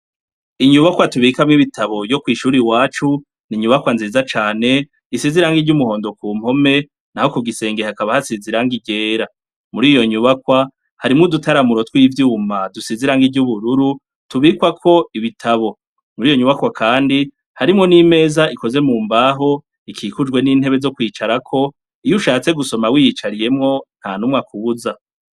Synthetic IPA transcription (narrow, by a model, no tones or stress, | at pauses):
iɲuβakwatuβikamŋiβitaβo̞βjɟo̞kwiːʃuːɾiwaːt͡ʃu | niɲuβakwanziːzat͡ʃaːne̞ | isiziɾaːŋɡiɾɟumuho̞ːndo̞kuːm̥ho̞me̞ | nahokuɡise̞ːŋɡe̞hakaβahasiziɾaŋɡiɟe̞ːɾa | muɾiːjo̞ɲuβakwa | haɾimŋodutaɾamuɾo̞twiːvjuːmadusiziɾaŋɡiɟuβuɾuɾu | tuβikwakʰo̞iβitʰaβo̞ | muɾiːjo̞ɲuβakwakʰaːndi | haɾimŋo̞nime̞ːzaʔiko̞ze̞muːmbaːɦo̞ | ikʰikud͡ʒɡwe̞niːn̥he̞βe̞zo̞kwiːt͡ʃaɾakʰo̞ | ijuʃaːt͡se̞ɡuso̞mawijit͡ʃaɾije̞mŋo̞n̥hanumŋakuβuza